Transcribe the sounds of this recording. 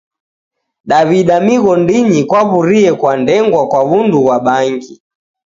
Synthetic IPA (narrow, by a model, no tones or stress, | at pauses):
ɗaβiɗamiɣɔndiɲikwaβuɾiɛkwandɛŋɡwakwaβunduɣwaɓaŋɡi